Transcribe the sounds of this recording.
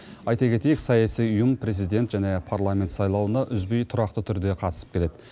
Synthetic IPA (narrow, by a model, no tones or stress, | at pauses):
ɑjt̪ɑkʲʰe̞t̪e̞jɪksɑjɑsijʊjəmpʰɾe̞zijd̪e̞nt̪ʒæne̞pʰarlˠamʲe̞nt̪sɑjlˠɑwənɑʔʏzbejt̪ʰʊɾɑqt̪ət̪ʰʏɾd̪e̞qʰɑt̪əsə̥pkʲʰe̞le̞d̪ɪ